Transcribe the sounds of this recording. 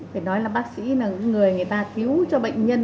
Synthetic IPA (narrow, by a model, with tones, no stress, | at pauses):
faː˧˩jnɔ˨˦jlaː˨˩ɓaː˦˥k̚sḭ˧˥naː˨˩ŋɨ̰˧˥ŋŋɨ˨˩əjŋɨ˨˩əjt̪aː˧t̪ʰi˨˦əwt͡ɕɔ˧ɓə̰˧˨jŋ̟ɲə˧n